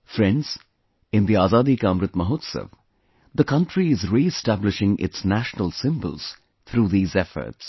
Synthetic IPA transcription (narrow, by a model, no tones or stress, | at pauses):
fɾɛ̃nɖz̥ | ɪ̃nd̪iaːzaːd̪ikaːmɾɨt̪məɦot̪sə̰ʋ | d̪əkʌ̃ɳʈɾiɪzɾiɪsʈæblɪʃɪ̃ŋʔɪ̰tsnæʃnəlsɪ̃mbə̰lˠz̥ | t̪ʰɾuːðiːzɛfə̰ɾʈs